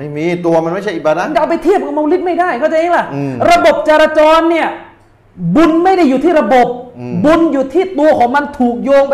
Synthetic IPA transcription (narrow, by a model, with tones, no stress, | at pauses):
ma˥˩miː˧t̪u˧ɐma˧nma˥˩jt͡ɕʰa˩ʔi˨˩baː˧da˦˥˨ʔa˧pa˧jt̪ʰi˥˩əp̚ka˨˩ma˧wli˦˥t̪̚ma˥˩jdaː˥˩jkʰa˥˩t͡ɕa˧ʔeː˧ŋla˨˧˩ʔɾa˧bo˨˩p̚t͡ɕa˧ɾaː˧t͡ɕɔː˧nːi˥˩ɐ | bu˧nma˥˩jda˥˩jːuː˨˩t̪ʰiː˥˩ɾa˧bo˨˩p̚bu˧njuː˨˩t̪ʰiː˥˩t̪u˧ɐkʰɔː˩˦ŋma˧nt̪ʰuː˨˩k̚joː˧ŋp